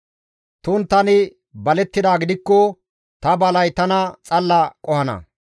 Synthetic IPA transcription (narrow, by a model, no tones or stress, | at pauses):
t̪uːnt̪ɐnɪ | bɐlɛt̪ːɪd̪aːɡɪd̪ɪkːɔ | t̪ɐbɐlɐjt̪ɐnɐt͡sʼɐlːɐkʼɔhɐnɐ̰